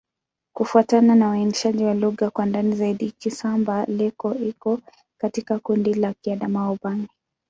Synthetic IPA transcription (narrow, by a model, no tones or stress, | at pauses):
kufuatananawainiʃaʄiwaluɣakwandanizaiɗikisambalɛkɔikɔ | katikakundilakiaɗamaɔɓani